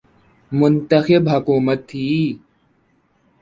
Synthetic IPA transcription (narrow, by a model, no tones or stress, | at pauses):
mʊnt̪ɐxɪbɦɐkuːmət̪ʰːiː